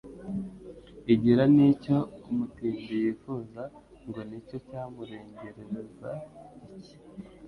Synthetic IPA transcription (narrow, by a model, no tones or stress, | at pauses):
iɟiɾanico̞umutiːmbijiːfuːza | ŋɡo̞nico̞caːmuɾe̞ːɲɟe̞ɾe̞ɾe̞za